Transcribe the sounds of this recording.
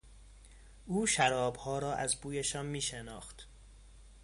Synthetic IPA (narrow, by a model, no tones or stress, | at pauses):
ʔuːʃæɾɒːbhɒːɾɒːʔæzbuːjeʃɒːnmiːʃenɒ̰ːxt̪